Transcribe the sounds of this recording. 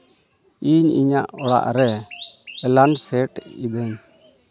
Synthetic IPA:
iɲḭɲaʔɔɽa̰ʔɾɛ | ɛlansɛʈid̪ɛɲ

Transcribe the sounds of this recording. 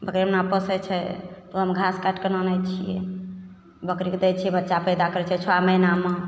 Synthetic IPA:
bəkɾimnapəsɛt͡ʃʰɛt̪oɦəmɡʱaskaʈkenənɛt͡ʃʰijɛ̰ | bəkɾiked̪ɛt͡ʃʰiɛbətːʃapɛjd̪akəɾɛt͡ʃʰɛt͡ʃʰoaməjname

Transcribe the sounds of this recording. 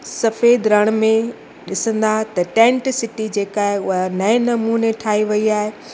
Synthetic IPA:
sɐfeːd̪ɾɐɽ̃mẽ | ɗɪsə̃nd̪at̪ɐʈɛ̃ːɳʈsɪʈid͡ʑeːkaːɦeʊɦanɐɪ̃nɐmuːneʈʰaːɦiʋɐiaːɦe

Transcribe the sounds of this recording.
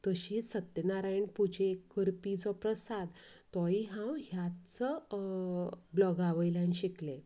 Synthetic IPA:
t̪əɕisət̪ːənaɾajɳpud͡ʑekːəɾpid͡zɔpɾəsad̪t̪ɔiɦãwɦjat͡sə | blɔɡaʋəjljãnɕikle

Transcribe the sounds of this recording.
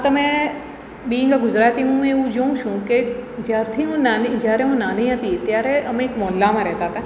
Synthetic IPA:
t̪ɐmɛ̃ | bĩːŋkaɡʊzɾaːt̪iɦũmẽũd͡ʒoũʃũked͡ʒɐɾt̪ʰiɦũnand͡ʒaːɾeɦũnaːniɦãt̪it̪jaːɾeɐmẽkmɔːlːamãɾɛɦt̪at̪aː

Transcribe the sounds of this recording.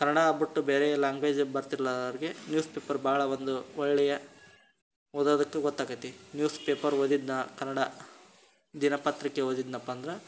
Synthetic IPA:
kɐnɐɽaːbiʈːubeːɾelaːŋɡʋe̞ːd͡ʒbɐɾt̪iɾlːɐɐɾɡenjuːspeːpɐɾbʱaːɭɐʋond̪uɔɭːɛjɐ | ɔd̪oːd̪ɐkːeɡɔt̪ːaːɡɐt̪ːinjuːspeːpɐɾʋod̪id̪nɐkɐnɐɽɐ | d̪inɐpɐt̪ɾikːeod̪id̪nɐpːɐnd̪ɾɐ

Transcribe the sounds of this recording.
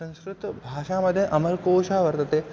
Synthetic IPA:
sɐ̃nskɾut̪bʱaːʃaːmɐd̪ʱjɐʔɐmɐɾkoːʃaːʋɐɾt̪ɐt̪eː

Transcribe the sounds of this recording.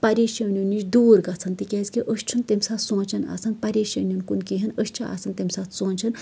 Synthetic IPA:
pɐɾʲeːʃɐnʲjunit͡ʃd̪uːɾɡɐt͡sʰɐnt̪ikʲeːzʲkiʔəʃt͡ʃʰunt̪emʲsaːt̪sõːnt͡ʃɐna̰t͡sʰɐnpɐɾʲeːʃɐnʲjunkunkiɦɐnəʃt͡ʃʰia̰ːsɐnt̪emʲsaːt̪ʰsõːnʲt͡ʃʰɐn

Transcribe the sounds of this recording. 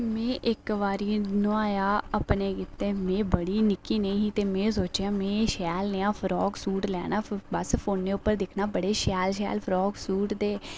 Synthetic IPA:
mẽːʔɪkʋaːɾiːnoaːjaːəpneːkɪt̪ːeːmẽːbəɽiːnɪkːiːnəĩːɦiːt̪eːmẽːs̬oːt͡ʃjãːmẽːʃɛːlneːãːpʰəɾɔːɡsuːʈlɛːnaːbəspʰoːnːeːʊpːəɾd̪ɪkʰnaːbəɽeːʃɛːlʃɛ̰ːlpʰəɾɔːɡsuːʈd̪eː

